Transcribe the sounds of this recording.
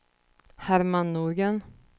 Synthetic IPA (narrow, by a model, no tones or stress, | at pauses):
hæɾmanːuːɾɡən